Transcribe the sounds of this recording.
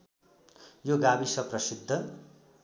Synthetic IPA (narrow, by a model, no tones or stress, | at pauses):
joɡabisʌprʌsid̪ʱːʌ